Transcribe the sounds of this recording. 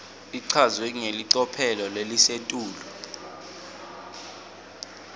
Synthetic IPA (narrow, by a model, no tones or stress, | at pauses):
iǀʰazwɛŋeliǀɔpʰɛlɔlelisetʼuːlɔ